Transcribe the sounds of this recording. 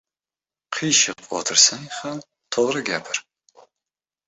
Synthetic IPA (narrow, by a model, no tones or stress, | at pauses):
qʰiːʃɪqʷʼɔ̰tʰɨrsɐniːχɐn | tʰoʁrɐɡʲaːpʰɐr